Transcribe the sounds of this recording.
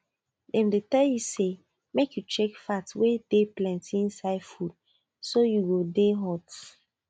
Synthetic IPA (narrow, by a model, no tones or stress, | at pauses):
dɛ̃mdetɛljuse | mekjut͡ʃɛkfatwedeplɛ̃ntĩnsaɪfud̚ | sojuɡodeɦɔt